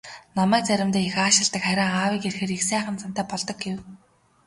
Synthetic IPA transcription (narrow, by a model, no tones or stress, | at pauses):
nɔmæːk̚t͡sæɾʲɪ̆mt̪eːixaːʃɪ̆ɮt̪ə̆kχæɾʲaːŋaːwiːkerxĕːɾixsæːχə̆nt͡sam̥t̪æːpɔɮt̪ɞ̆k̚ɡew